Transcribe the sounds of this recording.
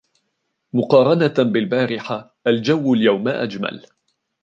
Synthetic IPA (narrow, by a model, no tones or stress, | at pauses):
mʊqɑːɾˤɑnabɪlbaːɾɪħa | ʔald͡ʒawːaljawmaʔa̰d͡ʒma̰l